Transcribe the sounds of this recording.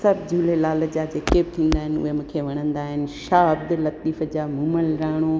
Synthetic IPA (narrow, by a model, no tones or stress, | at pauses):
sɐbd͡ʑʱuːlelaːləd͡ʑaːd͡ʑeket̪ʰĩːnd̪aːɦɪnʊ̰ɦemʊ̃kʰeːʋɐɽ̃ə̃nd̪aːɦɪnɪ̆ʃaːbd̪lɐt̪iːfəd͡ʑaːmʊməlɾaːɽ̃o